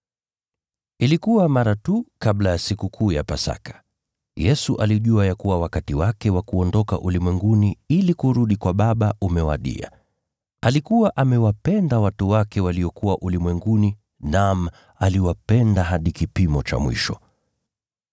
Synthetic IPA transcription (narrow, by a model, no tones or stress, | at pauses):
ilikuwamaɾatukaɓlajasikukʰuːjapasa̰kḁ | jɛsuʔaliʄuajakuwawakatiwakɛwakuɔndɔka̰ʔulimwɛŋɡuniilikuɾuɗikwaɓaɓaʔumɛwa̰ɗḭa̰ | alikuwaʔamɛwapɛndawatuwakɛwaliɔkuwaʔulimwɛŋɡuni | nam | aliwapɛndaɦaɗikipimɔt͡ʃa̰mwḭʃɔ